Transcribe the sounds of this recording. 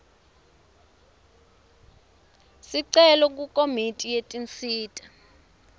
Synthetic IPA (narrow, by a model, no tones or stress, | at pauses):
siǀɛlɔk̬ukʼomitʼijetʼint͡siːtʼa